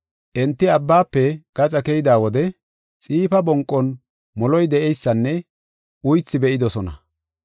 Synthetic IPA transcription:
ʔɛnt̪ːɪɐbːaːpːɛɡ̥ɐt͡sʼɐkɛjɪd̪aːwɔd̪ɛ | t͡sʼiːfɐbɔŋkʼːɔn | mɔlɔjd̪ɛʔɛjsːɐnːɛ | ʊjt͡sːɪbɛʔɪd̪ɔsɔnɐ̰

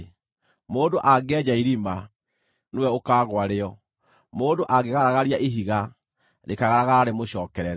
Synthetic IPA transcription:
moːndoʔaɡɛd͡ʑaiɾima | newɛokaːɣwaɾeɔ | moːndoʔaɡeɣaɾaɣaɾiaʔeɦiɣa | ɾekaɣaɾaɣaɾaɾemoɕɔːkɛɾɛɾ

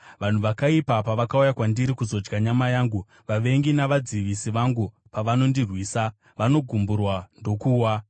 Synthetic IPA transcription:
ʋan̤uʋakaipapaʋakaujakwandiɾikuzo̞d͡ʒɡaɲamajaːŋɡu | ʋaʋe̞ŋɡinaʋad͡ziʋisiʋaŋɡu | paʋano̞ndirwiːsa | ʋano̞ɡʱumburwando̞kuːwa

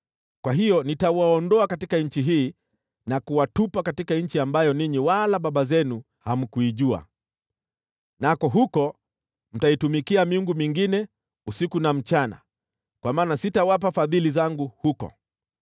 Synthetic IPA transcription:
kwaɦijɔnitawaɔndɔakatikaɲ̩t͡ʃiɦiː | nakuwatupakatikaɲ̩t͡ʃiambajɔniɲiwalaɓaɓazɛnu | ham̩kuiʄua̰ | nakɔɦukɔ | m̩taitumikiamiuŋɡumiŋɡinɛ | usikunam̩t͡ʃana̰ | kwamaːnasitawap̬afaðilizaŋɡuhukɔ̰

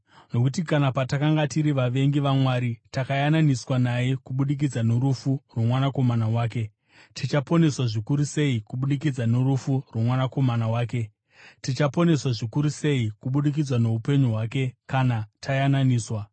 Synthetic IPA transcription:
no̞kutikanapatakaŋɡatiɾiʋaʋe̞ŋɡiʋamwaːɾitakajananiswanajekuɓuɗik̬id͡zanoɾufurwomwanako̞manawaːk̬e̞ | tit͡ʃapo̞ne̞swaʐikuɾuse̞ikuɓuɗikid͡zanoɾufurwomwanako̞manawaːk̬e̞ | tit͡ʃapo̞ne̞swaʐikuɾuse̞ikuɓuɗik̬id͡zwano̞upe̞ɲuɦwaːke̞kanatʰajananiːswa

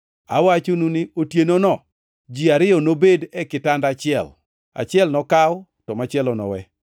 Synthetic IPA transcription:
a̰wat͡ʃununɪotjenonɔ | d͡ʒiaɾɪɔnobedɛkɪtandat͡ʃɪɛ̰l | a̰t͡ʃɪɛlnɔkaw | tɔmat͡ʃɪɛlɔnɔ̰wɛ

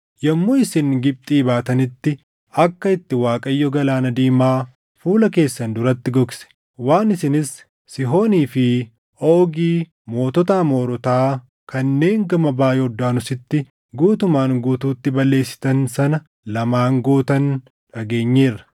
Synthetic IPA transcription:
jɐmːoɪsɪnɡɪb̚t̪ʼiːbaːt̪ɐnɪt̪ːɪ | ɐkːɐɪt̪ːɪwaːkʼɐjːɔɡɐlaːnɐd̪iːmaː | fuːlɐke̞ːsːɐnd̪ʊɾɐt̪ːɪɡɔksɛ̥ | waːnɪsɪnɪsː | ɪɦo̞ːniːfɪ | o̞ːɡiː | mo̞ːt̪ɔt̪aːmo̞ːɾɔt̪aː | kɐnːe̞ːŋɡɐmɐbaːjɛɔd̪ːaːnʊsɪt̪ːɪ | ɡuːt̪ʊmaːŋɡuːt̪uːt̪ːɪbɐlːe̞ːsːɪ̥t̪ɐnsɐnɐ | lɐmaːŋɡoːt̪ɐn | ᶑɐɡeːɲːeːrɐ̥

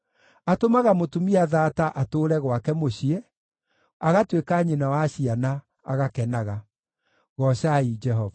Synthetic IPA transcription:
atomaɣamotumiaðaːtaʔatoɾɛɣwakɛmoɕiɛ | aɣatwekaɲenawaɕiana | a̰ɣakɛnaɣa | ɣɔɕaid͡ʒɛɦɔva

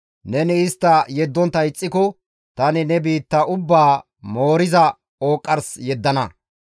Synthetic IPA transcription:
nɛnɪɪst̪ːɐjɛd̪ːɔnt̪ːɐɪt͡sʼːɪkɔ | t̪ɐnɪnɛbiːt̪ːɐʔʊbːaː | mo̞ːɾɪzɐ | oːkʼːɐɾsjɛd̪ːɐnɐ̰

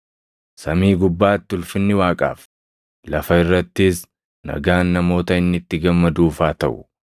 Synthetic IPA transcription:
sɐmiːɡʊbːaːt̪ːʊlfɪnːɪwaːkʼa̰ːf | lɐfɐɪrːɐt̪ːɪs | nɐ̰ɡaːnːɐmo̞ːt̪ɐɪnːɪt̪ːɪɡɐmːɐd̪uːfaːt̪ɐʔʊ̥

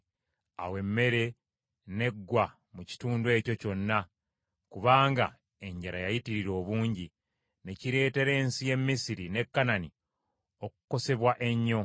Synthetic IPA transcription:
a̰we̞mːe̞ɾe̞ | ne̞ɡːwa | muci̥tuːndwe̞ːco̞co̞nːa | kuβaːŋɡa̰ | e̞ɲɟaɾajajitiɾiɾo̞ːβuːɲɟi | ne̞ciɾe̞ːte̞ɾe̞ːnsije̞mːisiɾine̞kːanani | okuko̞se̞βwaʔe̞ɲːo̞

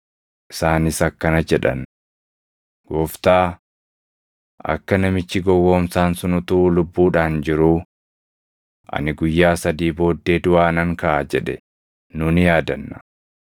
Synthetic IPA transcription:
ʔɪsaːnɪsɐkːɐnɐd͡ʒɛᶑɐ̰n | ɡ̥ɔːft̪aː | ʔɐ̰kːɐnɐmɪt͡ʃːɪɡɔwːo̞ːmsaːnsʊnʊt̪ulʊbːuːᶑaːnd͡ʒɪɾuː | ʔɐ̰nɪɡʊjːaːsɐd̪iːbo̞ːd̪ːe̞ːd̪ʊʔaːnɐŋkɐʔad͡ʒɛᶑɛ | nʊːnjaːd̪ɐnːɐ̥

